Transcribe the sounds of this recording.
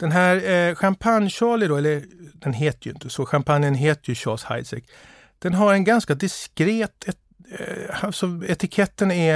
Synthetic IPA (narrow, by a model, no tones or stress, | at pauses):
d̪̥ɛnɦæːɾɧampʰanjɕɑːlɪd̪ɔɛlːəɾd̪̥ɛnɦeːt̪ʰjʏɪ̰nt̪ʰəsɔɧampʰanjənɦeːt̪əjɵɕɑ̰ːlsha̰ɪsɛ̰kː | d̪̥ɛnɦaɾɛnɡanskad̪ɪskɾeːt̪ɛ | asɔɛt̪ɪkʰɛt̪ːənɛ